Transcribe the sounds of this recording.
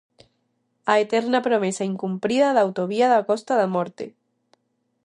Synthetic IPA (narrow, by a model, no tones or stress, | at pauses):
aet̪eɾnapɾomesaiŋkumpɾiðaðawt̪oβiaðakost̪aðamoɾt̪ḛ